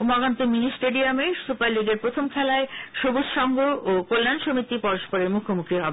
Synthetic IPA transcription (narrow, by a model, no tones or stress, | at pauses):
mɔɡant̪ominisʈeɖiamesupaɾliɡeɾpɾot̪ʰomkʰɛlaeʃoboʃʃɔŋɡʱoʔokolːanʃomit̪ipɔɾoʃpoɾeɾmukʰomukɾiɦɔbe